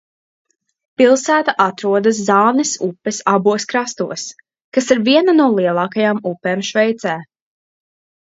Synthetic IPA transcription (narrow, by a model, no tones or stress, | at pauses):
pilˠsæːt̪aʔat̪ɾuɔd̪as̬ːɑːnɛsupːɛsabuɔskɾast̪uɔs | kasiɾviɛnanuɔlˠiɛlˠɑːkajaːmupːeːmʃvɛjt̪sæː